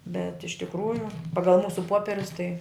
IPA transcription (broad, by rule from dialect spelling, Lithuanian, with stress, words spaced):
bʲɛt ɪʃ tʲɪkˈruːjʊ ˈpɑːɡɐlˠ ˈmuːsʊ ˈpoːpʲɛrʲʊs tɐɪ